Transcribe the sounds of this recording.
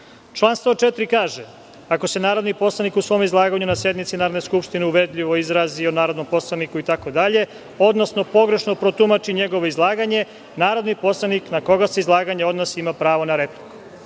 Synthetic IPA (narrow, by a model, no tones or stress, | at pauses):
t͡ʃlˠaːnst̪vot͡ʃet̪ɾikaːʒe | ako̞se̞naːɾod̪nipo̞slˠanikusʋo̞ːmizlˠaːɡaɲunasje̞d̪mit̪sinaːɾod̪neskupʃt̪ineuʋe̞d̪ʎʲiʋo̞izɾaːzio̞naːɾo̞d̪no̞mpo̞slˠanikuit̪ako̞d̪aʎe̞ | o̞d̪nosno̞po̞ɡɾe̞ʃno̞pɾo̞t̪umat͡ʃiɲe̞ɡo̞ʋoizlˠaːɡaɲe̞ | naːɾo̞d̪nipo̞slˠaniknako̞ɡaseizlˠaːɡaɲeo̞d̪nosiimapɾaːʋo̞naɾe̞pliku̥